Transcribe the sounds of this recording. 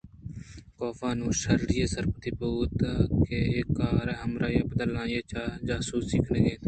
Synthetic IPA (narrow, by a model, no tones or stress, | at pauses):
koːfãːnũːʃəɾɾɪjeːsəɾpət̪iːbuːt̪keːeːkːaːɾɛːɦəmɾaːjaːbəd̪əlãːjeːt͡ʃaːd͡ʒaːsuːsɪkʰneːɡẽːt̪ː